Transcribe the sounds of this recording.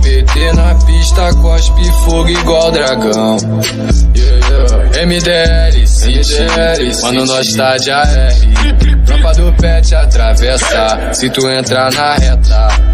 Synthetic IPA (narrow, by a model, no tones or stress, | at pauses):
bet̪enɐpiʃt̪ɐkɔʃpifoɡʊiɡwawd̪ɾaɡɐ̃w̃ | ẽmid̪eɛlisit͡ʃ | ɐ̃õnɔst̪ad͡ʒiaɛlit̪ɾapad̪ʊpɛt͡ʃat̪ɾavɛsa | sɪt̪uẽt̪ɾanɐhɛt̪a